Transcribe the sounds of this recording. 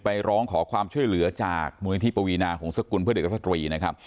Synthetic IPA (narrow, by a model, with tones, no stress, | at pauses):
pa˧jɾɔː˦˥ŋkʰɔː˩˦kʰwaː˧mt͡ɕʰu˥˩əjlɯ˩˦ɐt͡ɕa̰ː˨˩k̚muː˧n˧˦˥t̪ʰi˦˥˩pa˧wiː˧naː˧kʰɔː˩˦ŋsa˧ku˧npʰɯ˥˩deː˨˩a˥st̪ɾiː˧na˦˥kʰa˦˥p̚